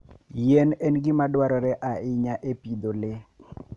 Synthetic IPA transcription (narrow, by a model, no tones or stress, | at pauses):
jenɛnɡɪmadwaɾɔɾɛʔaɪɲaʔepid̪olɪ